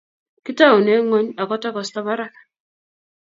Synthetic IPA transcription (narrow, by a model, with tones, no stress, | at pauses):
ki˦ta˦˨u˨ne˦ŋo˦ɲa˨kɔ˦tɔ˦kɔ˨sta˦βa˦ɾa˦kḁ˨